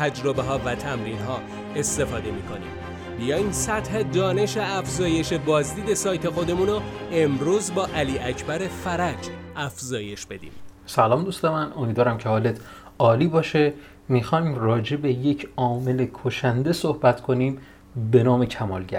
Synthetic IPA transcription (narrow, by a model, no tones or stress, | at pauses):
t̪ʰæd͡ʒɾo̞be̞ɦɒːvæt̪ʰæmɾiːnɦɒː | e̞st̪e̞fɒːd̪e̞miːkʰo̞̰nḭːm | bijɒːjimsæt̪he̞d̪ɒːne̞ʃeæfzɒːje̞ʃe̞bɒːzd̪iːd̪e̞sɒːjt̪ʰe̞xo̞d̪e̞munoe̞mɾuːzbɒːʔæliːʔæcʰbæɾe̞fæɾæd͡ʒæfzɒːje̞ʃb̥e̞d̪ḭːmsælɒːmd̪ust̪emæno̞mid̪vɒːɾæmcʰehɒːlet̪ʰ | ɒːliːbɒːʃe̞ | mixɒːimrɒːd͡ʒe̞be̞je̞cʰɒːme̞le̞kʰoʃænd̪e̞sohbæt̪ʰkʰo̞niːm | be̞nɒːmecʰæmɒ̰ːlɟæ̰ɾ